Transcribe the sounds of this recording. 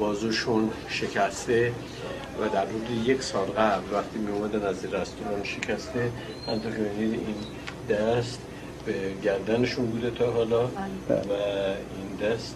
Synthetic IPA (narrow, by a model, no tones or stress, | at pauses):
bɒːzuʃun | ʃe̞cʰæst̪e̞ | væd̪æɾmoɾd̪eje̞kʰsɒːlɣæblvæxt̪ʰiːmiumæd̪ænæzinɾæst̪uɾɒːnʃe̞cʰæst̪e | ha̰mt̪oɾkʲʰeminid̪in | d̪æst̪ | beɟæɾd̪æne̞ʃunbuːd̪et̪ʰɒɦɒːlɒvæ | ind̪æst̪